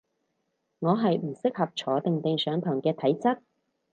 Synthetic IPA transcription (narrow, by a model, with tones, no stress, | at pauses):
ŋɔː˨˧ɦɐ˨jm̩˨˩sɪ˥k̚hɐ˨p̚t͡ʃʰɔː˨˥t̪ɪ˨ŋt̪ɪ˨ŋsœː˨˧ŋt̪ʰɔː˨˩ŋkɛː˧t̪ʰɐ˨˥jt͡sɐ˥t̚